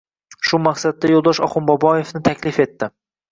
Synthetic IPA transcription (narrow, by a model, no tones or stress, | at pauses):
ʃʊmaχsad̪̚ːajolˠd̪ɒʃɒ̰χʊmbɒbɒje̞fnɪt̪ʰakʲlɪfe̞t̪ːɪ